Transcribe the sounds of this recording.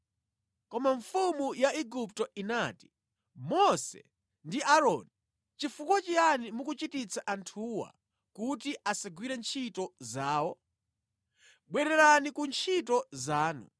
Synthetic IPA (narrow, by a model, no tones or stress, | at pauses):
kɔmaɱfumujaʔiɡup̚tɔinaːti̥ | mɔsɛ̰ | ndiʔaɾɔni | t͡ʃifukwɔt͡ʃianimukut͡ʃitit͡saʔantʰuːwa̰ | kutiʔasaɡwiɾɛnt͡ʃʰitɔzaːwɔ | ɓwɛɾɛɾanikunt͡ʃʰitɔzaːnṵ